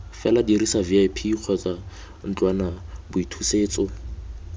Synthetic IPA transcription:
fɛladirisaviajpʰiq͡χʰɔt͡sa | n̩t͡ɬʼwanabʊitʰuseːt͡sɔ

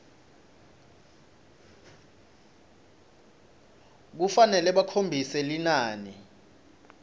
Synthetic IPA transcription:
k̬ufanɛlɛɓakʰombʱisɛlinaːni

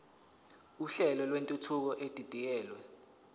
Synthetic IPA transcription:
uɬɛlɔlwentʼutʰuk̬ɔʔed̥ʱid̥ʱik̬ɛːlwɛ

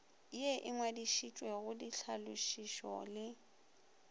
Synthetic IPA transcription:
eʔɪŋwadiʃit͡ʃʼweɣʊdiɬʰalʊʃiʃɔ̰lɪ

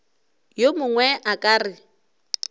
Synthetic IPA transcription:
jomʊŋwɛʔakʼaːrɪ

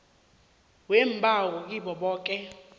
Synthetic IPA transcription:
wem̩bʱawɔk̬ʼiɓɔɓɔːk̬ʼɛ

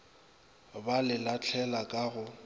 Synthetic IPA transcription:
balɪlat͡ɬʰɛlakʼaɣʊ

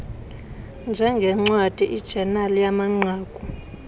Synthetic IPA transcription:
nd͡ʒʱɛŋɡʱɛŋ͡ǀwad̥ʱiʔid̥ʒ̥ʱɛnalɔjamaŋ͡ǀaːkʼu

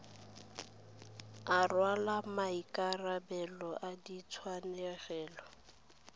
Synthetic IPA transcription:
arwalamaikʼarabɛlɔʔadit͡sʰwanɛɣɛːlɔ

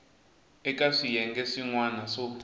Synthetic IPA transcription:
ɛkaʂijɛŋɡɛʂiŋwanaʂo

